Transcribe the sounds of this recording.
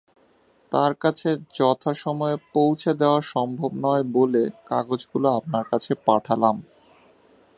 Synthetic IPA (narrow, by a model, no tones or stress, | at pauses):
t̪aɾkat͡ɕʰed͡ʑɔt̪ʰaʃɔmɔepowt͡ɕʰed̪eoaʃɔmbʱobnɔebolekaɡod͡ʑɡuloap̚naɾkat͡ɕʰepaʈʰalam